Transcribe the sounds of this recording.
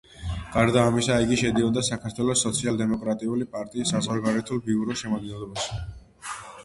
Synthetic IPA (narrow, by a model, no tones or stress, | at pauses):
ɡ̥aɾd̪aːmisaiɡiʃɛd̪iɔd̪asakʰaɾt̪ʰwɛlˠɔsːɔt̪sʰialˠd̪ɛmɔkʼɾat̪ʼiulipʼaɾt̪ʼiːsːazʁwaɾɡaɾɛt̪ʰulˠbiuɾɔʃɛmɔd̪nɛlˠɔbas